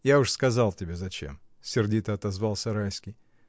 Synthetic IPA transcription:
jaʊʂskɐzalˠtʲɪbʲezɐt͡ɕḛmsʲɪrdʲit̪əɐt̪ɐzvalˠsʲəɾajskʲɪj

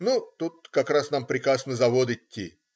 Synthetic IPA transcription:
nut̪ut̪̚kɐkɾasnampɾʲɪkɾasnəzɐvod̪ɨɪtʲːḭ

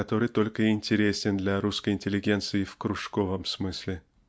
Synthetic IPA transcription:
ɐt̪o̞ɾɨt̪o̞lʲkəɪnʲtʲɪɾʲesʲɪnd̪lʲaɾuskəjɪnʲtʲɪlʲɪɡʲe̞nt̪sɨjɪfkɾuʂko̞vəmsmɨsʲlʲɪ

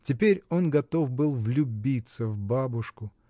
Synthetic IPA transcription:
tʲɪpʲeɾʲo̞nɡɐt̪o̞fbɨlˠvlʲʊbʲit̪səvbabʊʂkʊ

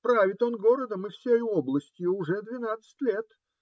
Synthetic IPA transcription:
pɾavʲɪt̪o̞nɡo̞ɾəd̪əmɨfsʲejo̞blˠəsʲtʲjʊʊʐɛd̪vʲɪnat̪sɨ̥tʲlʲe̞t̪

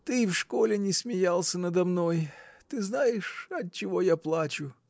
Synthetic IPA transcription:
t̪ɨfʂkolʲɪnʲɪsʲmʲɪjalˠsʲənəd̪ɐmnojt̪ɨznajɪʂɐt̚t͡ɕːɪvo̞japlˠat͡ɕʊ

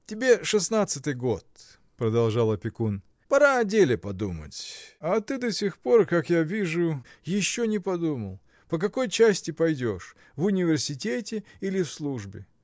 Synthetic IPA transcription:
tʲɪbʲe̞ʂɨsnat̪sɨt̪ɨjɡo̞t̪ | pɾəd̪ɐlˠʐalˠɐpʲɪkun | pɐɾadʲelʲɪpɐd̪umə̰tʲat̪ɨd̪ɐsʲɪxpo̞rkakjavʲiʐʊjɪɕːonʲɪpɐd̪uməlˠ | pəkɐko̞jt͡ɕæsʲtʲɪpɐjdʲo̞̰ʂ | vʊnʲɪvʲɪrsʲɪtʲetʲɪilʲɪfslˠuʐbʲɪ̰

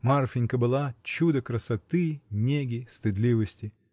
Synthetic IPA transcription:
marfʲɪnʲkəbɨlˠat͡ɕud̪əkɾəsɐt̪ɨnʲeɡʲɪst̪ɨd̪lʲivəsʲtʲɪ

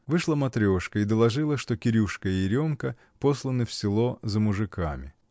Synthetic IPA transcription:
vɨʂlˠəmɐt̪ɾʲo̞ʂkəɪd̪əlˠɐʐɨlˠəʂt̪okʲɪɾʲuʂkəɪɾʲo̞mkə | po̞slˠənɨfsʲɪlˠo̞zəmʊʐɨkʰamʲɪ̰

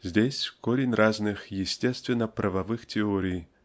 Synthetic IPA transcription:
zʲdʲesʲkoɾʲɪnʲrʔaznɨxjɪsʲtʲest̪vʲɪnːəpɾʔəvɐvɨxtʲɪoɾʲɪj

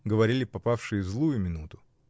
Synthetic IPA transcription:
ɡəvɐɾʲilʲɪpɐpafʂɨjəzlˠujʊmʲɪnut̪ʊ

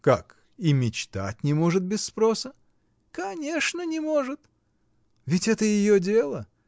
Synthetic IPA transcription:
kak | imʲɪt͡ɕt̪a̰tʲnʲɪmo̞ʐɨt̪̚bʲɪsːpɾo̞sə | kɐnʲe̞ʂnənʲɪmo̞ʐɨt̪ | vʲɪtʲɛt̪əjɪjodʲe̞lˠə

